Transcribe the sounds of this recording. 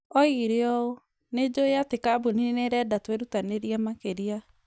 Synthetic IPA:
ɔiɾeɔo | ned͡ʒojatekabuninineɾɛdatweɾutaneɾiɛmakeɾia

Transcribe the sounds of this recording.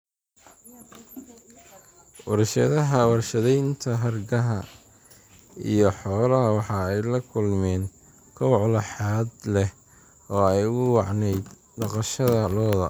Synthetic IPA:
wɑɾʃɐ̰ðɐɦɐwɑrʃɐðɛjnt̪ʰɐɦɐrɡɐɦɐ | ḭjɞħɔːlɐɦɐwɑħɑɛjlɐkʰʊlmɛːn | kʰɐwʕlɑħɑːd̪lɛh | ɔːɛjʊwɑʕnɛjd̪ | nɑqɑʃɐðɐlɔːðɐ

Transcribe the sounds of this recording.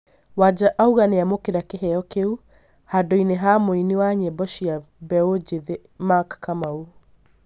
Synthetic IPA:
wad͡ʒaʔauɣaneamokeɾakeɦɛjɔkeu | hadoineɦamoiniwaɲɛbɔʃia | bɛod͡ʒeðe | makkamau

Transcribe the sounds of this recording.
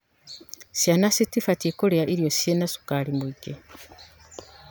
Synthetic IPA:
sjanasitifatiekoleaʔiɾjosenasu̥kalimuiɡe

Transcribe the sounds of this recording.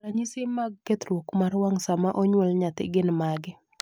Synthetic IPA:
laɲɪsɪmaɡket̪ɾwokmaɾwaŋsamaʔɔɲwɛlɲat̪ɪ̰ɡɪnmaɡɪ

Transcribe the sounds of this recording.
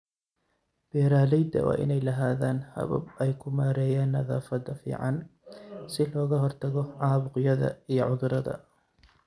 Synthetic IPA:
b̥ɛːɾaːlɛjd̪ɐ̰wʔa̰ːʔɪ̰nɛjlɐɦaːðaːnhɐ̰βɐ̰bɛjkʰʊmaːɾɛːjaːnːɐðaːfɐd̪ɐfḭːʕɑn | sɪlɔːɣɐɦɔrt̪ʰɐɣɔʕɑːβʊqjɐðɐ̰ijɞʕʊðʊɾɐðɐ̰

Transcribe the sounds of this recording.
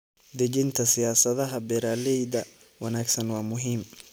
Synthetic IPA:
d̪ɛɡɪnt̪ʰɐsɪjaːsɐðɐɦɐbɛɾaːlɛjd̪ɐ | wɑnaːɡsɐnwɑːmʊɦiːm

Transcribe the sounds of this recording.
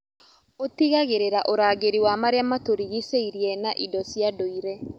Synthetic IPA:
otiɣaɣeɾeɾaʔoɾaːɣeɾiwamaɾeamatoɾiɣiseiɾjɛnaʔidɔsjadoiɾɛ

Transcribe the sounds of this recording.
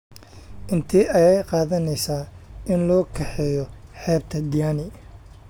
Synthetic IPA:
ʔɪnt̪ʰiːʔɐjɛjqɑːðɐnɛjsaːɪnlɔːkʰɐħɛjɔħɛːb̚t̪ʰɐd̪ɪjaːnɪ

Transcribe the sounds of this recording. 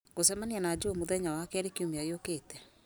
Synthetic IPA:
kosɛmanianad͡ʑemoðɛɲawakɛɾekiomajokeːtɛ

